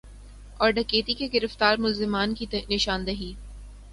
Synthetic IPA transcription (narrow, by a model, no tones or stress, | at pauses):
ɔːɾɖɐkeːt̪ikeɡɪɾəft̪aːɾmʊlzɪmaːnkinɪʃaːnd̪ɐɦiː